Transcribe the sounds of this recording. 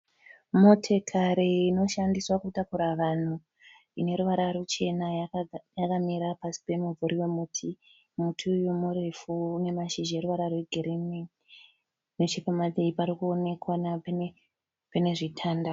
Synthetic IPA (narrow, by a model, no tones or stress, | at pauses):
motʰe̞kʰaɾeino̞ʃandiswakutakuɾaʋan̤u | ine̞ɾuʋaɾaɾut͡ʃe̞najakamiɾapasi̥pe̞muvuɾiwe̞mutʰi | mutʰiujomuɾefuːne̞maʃiʒeɾuʋaɾarwe̞ɡʱiɾimi | not͡ʃipamadʱeipaɾikuo̞ne̞kwanap | pane̞ʐitʰaːnda